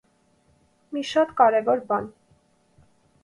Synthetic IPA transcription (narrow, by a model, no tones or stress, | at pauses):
miʃɑt̪kɑɾɛvɔɾbɑn